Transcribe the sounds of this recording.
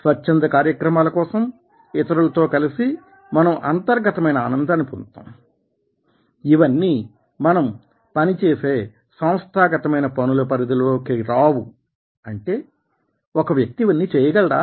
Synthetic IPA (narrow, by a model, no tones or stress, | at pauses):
sʋɐt͡ʃt͡ʃɐnd̪ɐkaːɾjɐkɾɐmaːlɐkɔːsɐm | ɪt̪ɐɾulɐt̪o̞ːkɐlisi | mɐnɐmʔɐnt̪ɐɾɡɐt̪ɐmɐjnɐːnɐnd̪ʱaːnːipunt̪a̰ːm | iʋɐnːi | mɐnɐm | pɐnit͡ʃeːse̞ː | sɐw̃st̪ʰaːɡɐt̪ɐmɐjnɐpɐnulɐpɐɾid̪iloːkiɾaːwu | ɐɳʈe̞ː | ɔkɐʋjɐk̚t̪iʋɐnːiːt͡ʃɛːjɐɡɐɭɐɽaː